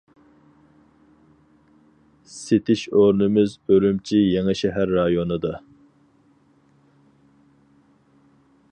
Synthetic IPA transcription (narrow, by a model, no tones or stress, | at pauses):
set̪ʰɪʃoɾnɨmɪzølymt͡ʃʰijeŋɨʃɛɦæɾːɑjonɨd̪ɑ